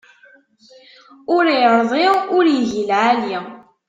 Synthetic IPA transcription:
ʊɾjɾðˤiʊɾjiʝilʕali

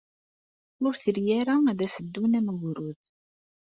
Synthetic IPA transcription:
ʊɾθəɾjæɾaæðæsəd̪ːunæməɣɾuð

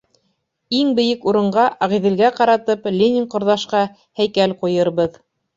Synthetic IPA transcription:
iŋbɘ̆jɘkuɾɤ̆ɴɢɑʔɑʁiðɘ̆lɡæqɑɾɑt̪ɤplʲenʲiŋqŏɾðɑʃqɑ | hæjkælqujɤ̆ɾβɤð

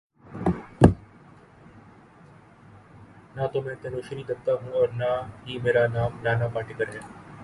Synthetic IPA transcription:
nat̪oːmɛ̃ːt̪ɐnoːʃɾiːd̪ɐkt̪aːɦũːɔːɾnaɦiːmeːɾaːnaːmlaːnaːpaːʈɪkəɾɦɛː

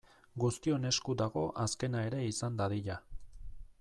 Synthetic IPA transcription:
ɡust̪io̞ne̞skud̪aɣo̞ʔaske̞nae̞ɾe̞isand̪aðiʎa

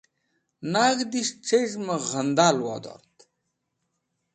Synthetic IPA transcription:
naːɡd̪iʂʈ͡ʂʰeʑmɐɣɐnd̪aːlwa̰ːd̪o̰ːɾt̪

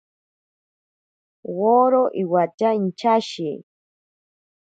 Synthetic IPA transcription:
woɾoʔiwat͡ʃaint͡ʃaʃi

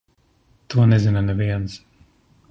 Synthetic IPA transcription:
t̪uɔnɛzinɐnɛviɛns

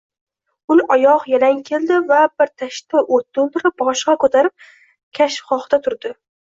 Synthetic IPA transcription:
ʊnʔɒjɒqjalaŋkʲʰe̞ld̪ɪvabɪɾt̪ʰaʃt̪aʔot̪̚ːlˠd̪ɪɾɪp̚bɒʃqɑkʰɵt̪ʰaɾɪp̚ | kʲʰaʃfχɒχd̪at̪ʰʊɾd̪ɪ

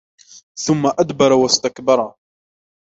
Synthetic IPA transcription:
θʊmːaʔad̪bɑɾˤwast̪akbɑɾˤ

